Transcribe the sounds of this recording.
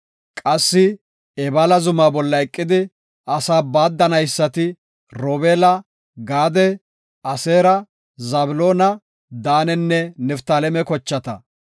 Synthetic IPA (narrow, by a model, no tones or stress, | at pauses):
kʼɐsːɪ | ɛbɐlɐzʊmaːbɔlːɐɛkʼːɪd̪ɪ | ɐsaːbaːd̪ːɐnɐjsːɐt̪ɪ | ɾoːbeːlɐ | ɡaːd̪ɛ | ɐseːɾɐ | zɐblo̞ːnɐ | d̪aːnɛnːɛnɛft̪alɛmɛkɔt͡ʃːɐt̪ɐ̰